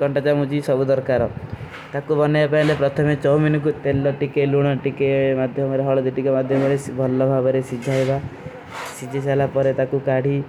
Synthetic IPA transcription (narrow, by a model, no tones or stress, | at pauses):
kɔɳʈat͡ʃamud͡ʒisɔbud̪ɔɾkaɾɔ | t̪akubɔnebapaĩlepɾɔt̪ʰɔmet͡ʃɔwminɔk̬ut̪elːɔʈikeluɽ̃ɔʈikemad̪ʱjɔmɔɾeɦɔɭɔd̪iʈikemad̪ʱjɔmɔɽesbʱɔlːɔbʱabɔɾesid͡ʒʱaɦeba | sid͡ʒʱisalapɔɾet̪akukaɽ̤i